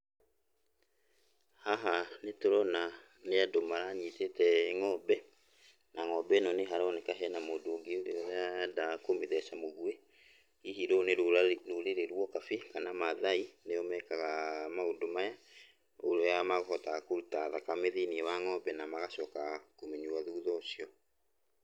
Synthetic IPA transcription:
haɦanetoɾɔna | neadomaɾaɲitetɛŋɔbɛ | naŋɔbɛnɔneɦaɾɔnekaɦɛnamodoːɡeuɾeɔɾadakomiðɛsamoɣue | iɦiɾoneɾoɾeɾeɾwɔkafikanamaðaineɔmɛkaɣamaodomaja | oɾojamaɣɔhɔtakoɾutaðakameðiniewaŋɔbɛnamaɣasɔkakomeɲuaðuːðɔsiɔ

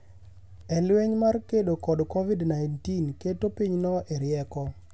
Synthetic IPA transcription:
ɛlweɲmarkedokɔdkovidnajntinketopiɲnɔʔeɾjɛkɔ

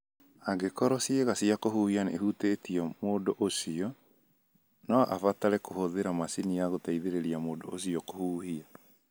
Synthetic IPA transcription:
aɡekɔɾɔsieɣasiakohuːhianḛɦutetiɔmoːdoʔosiɔ | naʔafataɾɛkohoðeɾamasinijaɣotaiðeɾeɾiamoːdoosiɔkohuːhia

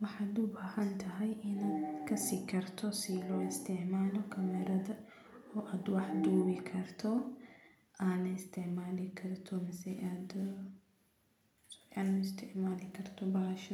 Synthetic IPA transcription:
wɑħɑːd̪ʊbaːhɐnt̪ʰɐɦɛjʔɪnaːd̪kʰɐsiːkʰɐrt̪ʰɔsilɔːɪst̪ʰɛʕmaːlɔkʰɐmɛɾɐðɐ | ɔːʔaːd̪wɑħd̪uːwɪkʰɐrt̪ʰɔ | aːnɐɪst̪ʰɛʕmaːlɪkʰɐrt̪ʰɔmɪsɛjad̪ | saːnɪst̪ʰɪʕmaːlɪkʰɐrt̪ʰɔbɐʃɐ

